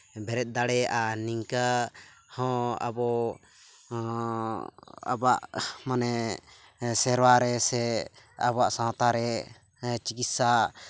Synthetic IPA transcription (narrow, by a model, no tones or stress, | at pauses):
bɛɾɛt̪̚ˀd̪aɽɛʔaniŋka | hɔ̃a̰bɔ | a̰baʔmanɛ | sɛɾwaɾɛsɛa̰baʔsãt̪aɾɛ | t͡ʃikit̪̚saʔ